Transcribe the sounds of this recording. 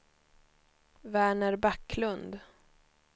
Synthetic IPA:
væːɳəɾbakːlɵnd̪

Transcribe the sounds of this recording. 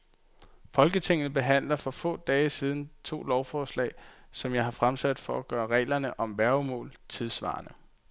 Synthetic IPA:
fɒ̽lɡ̥ət͡sʰe̝ŋ̰n̩əb̥e̝ɦæn̰lɐfɒ̽fɔ̰̽ːd̥ɛːəsiːð̞ˠn̩t͡sʰo̝̰ːlɒʊfɒːslɛ̰ːɪsɒ̽mjɑ̈ɪhɑ̈fʁamsæd̥fɒ̽æɡ̥ɶːɐʁɛ̰ːlɐnəʔɒ̽mʋæɐʊmɔ̰ːlt͡sʰe̝ðˠsʋɑ̰̈ːnə

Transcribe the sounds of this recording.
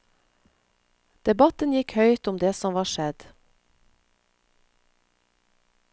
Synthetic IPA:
d̪̥ɛbɑt̪ənjɪkhœʏt̪ʊmd̪eːsɔmʋɑːʃɛd̪

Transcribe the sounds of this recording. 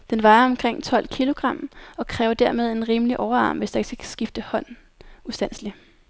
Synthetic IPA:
d̥enʋɑ̈ɪɐɒ̽mkʰʁeŋ̰t͡sʰɒ̽l̰kʰilo̝ɡ̥ʁɑ̈m̰ɒ̽kʰʁɛːʊɐd̥æɐme̝ð̞ˠe̝nʁiːmliʔɒʊɐɑ̈ːmʋe̝sd̥ɑ̥sækʰæsɡ̥ifd̥əhɒ̽n̰ | usd̥æn̰sli

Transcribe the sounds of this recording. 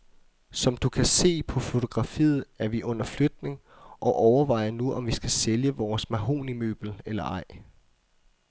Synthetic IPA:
sɒ̽md̥ukʰæse̝̰ːpʰɒ̽fo̝t͡sʰo̝ɡ̥ʁɑ̈fḭːð̩ˠæɐʋiʔɔ̽n̰ɐflød̥ne̝ŋ | ʔɒ̽ʔɒʊɐʋɑ̈ɪ̰ɐnuʔɒ̽mʋisɡ̥æseljəʋɒːsmæɦo̝̰ːnimø̰ːb̥l̩elɐɑ̈ɪ̰

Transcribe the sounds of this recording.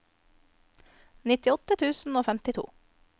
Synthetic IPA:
nɪt̪ɪɔt̪ət̪ʰʉːsn̩oːfæmt̪ɪt̪ʰṵː

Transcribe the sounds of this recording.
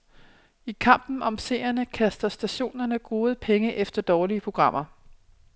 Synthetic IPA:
ikʰɑ̈m̰b̥n̩ʔɒ̽mse̝̰ːɐnəkʰæsd̥ɐsd̥æɕo̝̰ːnɐnəɡ̥ʁo̝ːð̞̩ˠpʰeŋəʔefd̥ɐd̥ɒːliəpʰʁo̝ɡ̥ʁɑ̈m̰ɐ

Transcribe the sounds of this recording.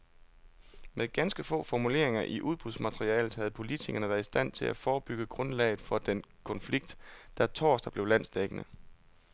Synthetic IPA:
meðˠɡ̥ænsɡ̥əfɔ̰̽ːfɒmule̝ɐ̰e̝ŋɐʔiʔuð̞ˠb̥ʁuðˠsmæt͡sʰʁiɛ̰ːləð̩ˠhæð̞̩ˠpʰo̝lit͡sʰiɡ̥ɐnəʋæːɐisd̥æn̰t͡sʰe̝lʔæfɒːb̥yɡ̥əɡ̥ʁɔ̽nlɛ̰ɪð̩ˠfɒ̽d̥enkʰɒ̽nfliɡ̥̚d̥d̥æt͡sʰɒ̰ːsd̥ɐb̥le̝ʊlæn̰sd̥eɡ̥ənə

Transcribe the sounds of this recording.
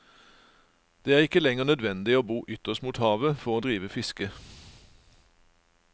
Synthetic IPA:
d̪̥eːæːʁɪkəlɛŋəʁnœd̪ʋɛnd̪ɪoːbuːʔʏt̪əst̪muːt̪hɑːʋəfɔʁoːd̪ʁiːʋəfɪskə

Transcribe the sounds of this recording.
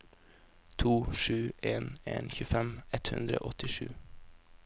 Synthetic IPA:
t̪ʰuːʃʉːʔeːnḛːnçʉːfɛmɛt̪hʉ̰nd̪ɾəo̰ːʔɔt̪ɪʃʉ̰ː

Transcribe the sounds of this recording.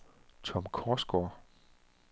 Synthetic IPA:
t͡sʰɒ̽mkʰɒːsɡ̥oɐ

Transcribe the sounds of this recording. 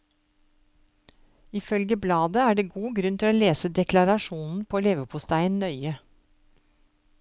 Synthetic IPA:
ɪfœlɡəblɑːd̪əæːɖeːɡuːɡɾʉnt̪ʰɪloːleːsəd̪ɛklɑɾɑʃuːnn̩pʰoːleːʋəpʰʊst̪æɪənnœʏə

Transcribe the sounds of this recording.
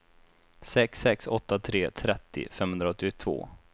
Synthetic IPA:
sɛksɛksɔt̪ːat̪ʰɾeːt̪ʰɾɛt̪ːɪ̰fɛmhɵnd̪ɾaɔt̪ːɪt̪ʰvo̰ː

